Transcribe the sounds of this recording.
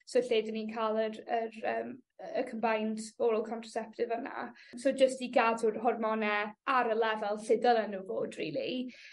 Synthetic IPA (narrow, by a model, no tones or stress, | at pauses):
soɬeːdəniːnkʰaːlˠərərəːməkʰəmbajntv̥oɾɔlˠkʰɔntʰrɔ̥sɛp̚tɪvəna̰soːd͡ʒəstiɡadʊrɦɔrmɔnɛaɾəlˠɛvɛlˠɬɪdəlˠənuvoːdrḭːlˠi